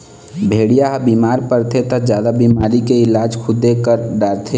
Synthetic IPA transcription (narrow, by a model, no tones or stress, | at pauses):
bʱeːɽijaɦbiːmaːɾpəɾt̪ʰet̪əd͡ʒjaːd̪abiːmaːɾikeɪlaːd͡ʒkʰʊd̪ːekəɾɖaːɾt̪ʰe